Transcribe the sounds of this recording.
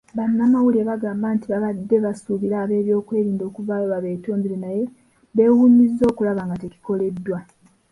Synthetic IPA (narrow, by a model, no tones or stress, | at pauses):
βanːamawulieβaɡaːmbaːntiβaβadːe̞βasuβiɾaːβe̞ːβjo̞ːkwe̞ːβiːndo̞ːkuvaːjoβaβe̞ːto̞ːmbiɾenaje̞ | βe̞ːwumizːo̞ːkulaβaŋɡate̞ci̥ko̞le̞dːwa